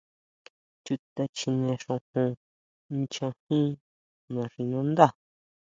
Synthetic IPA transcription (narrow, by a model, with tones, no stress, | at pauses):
t͡ʃu˧t̪a˧t͡ʃi˧nẽ˧ʂõ˧hũ˧ | t͡ʃã˧hĩ˦ | nã˨ʂi˧nũ˧˦nd̪a˦˨